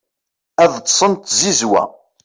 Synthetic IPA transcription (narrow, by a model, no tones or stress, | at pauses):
æðˤt̪ːsˤənt̪zizwæ̰